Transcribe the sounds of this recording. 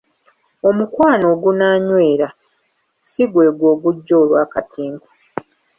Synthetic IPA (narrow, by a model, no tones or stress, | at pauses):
o̞mukwaːno̞ːɡunaːɲwe̞ːɾa | siɡwe̞ːɡwo̞ːɡuɟːo̞ːlwaːkatʰiːŋɡo